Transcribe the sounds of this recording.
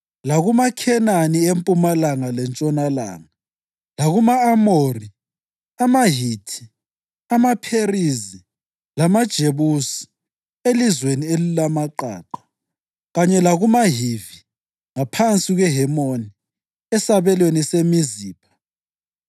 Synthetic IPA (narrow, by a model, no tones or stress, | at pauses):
laɣumakʰɛnaniempʼumalaŋalɛnt͡ʃʼɔnala̰ːŋa | laɣumaːmori | amaɦitʰi̥ | amapʰerizi | lamad̥ʒ̥ʱeβusi̥ | elizwenielilamaǃa̰ːǃḁ | ɣaɲɛlaɣumaɦivi | ŋapʰant͡sʼiɣwɛɦɛmoni | ɛsaβɛlwenisemiziːpʰḁ